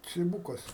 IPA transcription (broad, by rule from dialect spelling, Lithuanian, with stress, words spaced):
t͡sʲɪˈbuːkɐs